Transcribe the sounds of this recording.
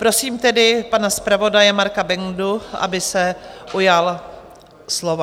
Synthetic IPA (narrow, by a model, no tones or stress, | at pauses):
pɾo̞siːmt̪ɛdɪpanaspɾavo̞dajɛmaɾkabɛŋduʔa̰bɪsɛʔujal | slova